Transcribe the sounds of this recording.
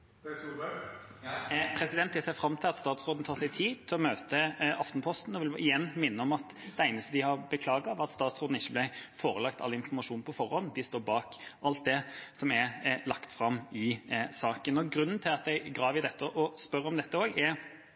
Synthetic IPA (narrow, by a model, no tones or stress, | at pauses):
pʰɾɛsɪd̪ɛnt̪d̪ɪseːfɾɑmːt̪ʰɪlɑt̪st̪ɑːt̪sɾoːd̪n̩t̪ʰɑːsɛɪt̪ʰiːd̪t̪ʰɪlɔmøːt̪əɑft̪npʰɔst̪n̩ɔʋɪlɪjɛnːmɪnːəɔmɑt̪ | d̪̥ɛæɪnəst̪əd̪ɪhɑɾbəkʰlɑːɡɑɑʋɑt̪st̪ɑːt̪sʁoːd̪n̩ɪçːəblɪfoːɾəlɑkt̪ʰɑ̰lːɪnfɔmɑʂuːnpʰɔfɔɾhɔnːd̪ɪst̪oːɾbɑːkʔɑlt̪̚d̪ɛsɔmɛlɑkt̪fɾɑmːɪsɑːkənɔɡɾʉnːnt̪ʰɪlɑt̪̚d̪ɛɪɡɾɑːʋɪd̪ɛt̪ːəʔɔspœɾəɔmd̪ɛt̪ːəoːɡɛɾ